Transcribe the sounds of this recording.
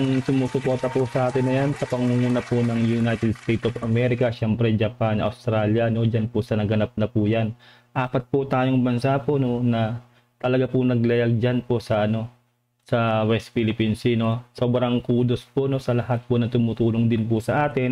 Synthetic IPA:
ɐŋsʊmuːsʊpo̞ɾt̪ɐpʊsɐʔaːt̪ɪnːɐjansɐpɐŋuŋuːnɐpʊnɐŋjʊnajt̪ɛd̪st̪ejt̪ofɐmɛɾɪkɐʃɛmpɾɛd͡ʒɐpanʔɐ̰wst̪ɾaːljɐno̞d͡ʒanpʊsɐnɐɡɐnap̚nɐpʊjan | ʔaːpɐt̪̚pʊt̪aːjoŋbɐnsapono̞nɐ | t̪ɐlɐɡapʊnɐɡ̚lɐjaɡ̚d͡ʒanposɐʔɐno̞ | sɐwɛst̪̚filɪpinsɪno̞so̞ːbɾɐŋkuːd̪ospono̞sɐlɐhat̪̚ponɐt̪ʊmut̪uːloŋd̪ɪnpʊsɐʔaːt̪ɪn

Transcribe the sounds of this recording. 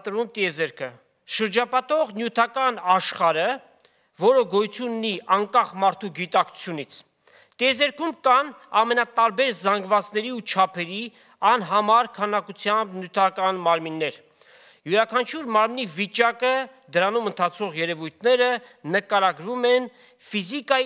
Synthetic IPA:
t̪əɾvumt̪iɛzɛɾkʰə | ʃəɾd͡ʒɑpɑt̪ɔʁnjut̪ʰɑkɑnɑʃχɑɾə | vɔɾəɡɔjut͡sʰjununiʔɑŋkɑχmɑɾt̪ʰuɡit̪ɑkʰu̥t͡sʰjunit͡sʰ | t̪iɛzɛɾkʰumkɑnɑmɛnɑt̪ɑɾbɛɾzɑŋɡvɑt͡snɛɾiut͡ʃʰɑpʰɛɾi | ɑnɦɑmɑɾkʰɑnɑkut͡sʰjɑmbnjut̪ʰɑkɑnmɑɾminːɛɾ | juɾɑkʰɑnt͡ʃʰuɾmɑɾmnivit͡ʃɑkə | d̪əɾɑnumənt̪ʰɑt͡sʰɔʁjɛɾɛvujt̪ʰnɛɾənəkɑɾɑɡɾumɛn | fizikɑ

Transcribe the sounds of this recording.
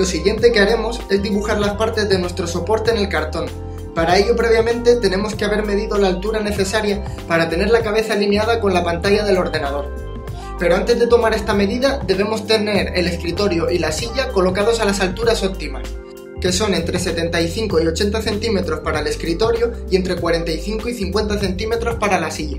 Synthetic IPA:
lo̞siɣje̞nt̪e̞keaɾe̞mo̞se̞zd̪iβuxaɾlaspaɾt̪e̞zðe̞nwe̞st̪ɾo̞so̞po̞ɾt̪e̞ːne̞lkaɾt̪o̞n | paɾae̞ʎo̞pɾe̞β̞jamẽ̞nt̪e̞t̪e̞ne̞mo̞ske̞aβeɾme̞ðiðo̞laːlt̪uɾane̞θe̞saɾja | paɾat̪e̞ne̞ɾlakaβ̞e̞θalineað̞ako̞nlapant̪aʎaðe̞lo̞ɾðe̞naðo̞ɾ | pe̞ɾo̞ant̪e̞zðe̞t̪o̞maɾe̞st̪ame̞ðiðad̪e̞β̞e̞mo̞st̪e̞ne̞ɾe̞le̞skɾit̪o̞ɾjo̞ʔilasiʝako̞lo̞kað̞o̞salasalt̪uɾaso̞p̚t̪imas | ke̞so̞nẽ̞nt̪ɾe̞se̞t̪e̞nt̪aiθiŋko̞io̞t͡ʃe̞nt̪aθe̞nt̪ime̞t̪ɾo̞spaɾaele̞skɾit̪o̞ɾjoie̞nt̪ɾe̞kwaɾent̪aiθiŋko̞iθiŋkwe̞nt̪aθe̞nt̪ime̞t̪ɾo̞spaɾalasiʝa

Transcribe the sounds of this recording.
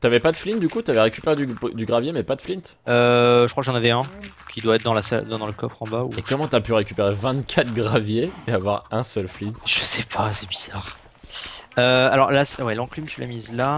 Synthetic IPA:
t̪yavɛpad̪əflind̪ykut̪yavɛʁekʲypeʁed̪yd̪yɡʁavjemɛpad̪əflint̪øʒəkχwakʒɑ̃navɛɛ̃kʲʰid̪waɛt̪χd̪ɑ̃lasa̰ld̪̃d̪ɑ̃ləkɔfχɑ̃bauekɔmɑ̃t̪yapyʁekʲypeʁevɛ̃t̪kʲʰat̪χɡʁavjeːavwaʁɛ̃sœlflinʒ̥əsɛpʰasɛbiz̥aːʁ | øalɔʁlaswɛlɑ̃klyməsɥila̰mizla

